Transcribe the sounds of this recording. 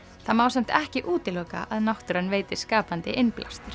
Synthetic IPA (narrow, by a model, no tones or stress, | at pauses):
θamaːwsɛjm̥t̪ɛhcɪʔuːt̪ɪloːka̰ʔaðnawht̪ʏɾanːveːjt̪ɪ̥skaːpant̪ɪʔenplʔa̰st̪ɪɾ̥